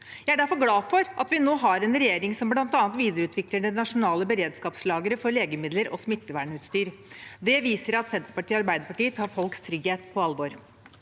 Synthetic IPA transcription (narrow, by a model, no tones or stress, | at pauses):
jæɪæɖæɾfɔɾɡlɑːfɔɾʔɑt̪ʋɪnoːɦɑɾɛnɾɛjeːɾɪŋsɔmblɑnt̪ɑːnt̪ʋiːd̪əɾəʉːt̪ʰʋɪkləɳənɑʂʊnɑːləbəɾeːd̪skɑːpslɑːɡəɾəfɔɾɭeːɡəmɪd̪ləɾʔɔsmɪt̪ːəʋæːɳʉːt̪st̪yːɾd̪ɛʋiːsəɾɑt̪sɛnt̪əɾpɑʈiːɑɾbæɪd̪əɾpɑʈiːət̪ʰɑːɾfɔlkst̪ʰɾʏɡheːt̪pʰɔɑlʋoːɾ